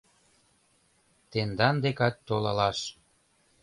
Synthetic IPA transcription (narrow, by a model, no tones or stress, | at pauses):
t̪end̪ɑnd̪ekɑtʲt̪olɑlɑʃ